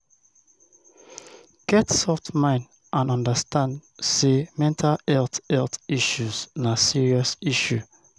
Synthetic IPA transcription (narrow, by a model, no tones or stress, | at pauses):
ɡ̥ɛtsɔftmãɪ̃nd | ʔãnɔ̃ndəstãndsemɛ̃ntʰalɛltɛltiʃuznasiɹiɔsiʃu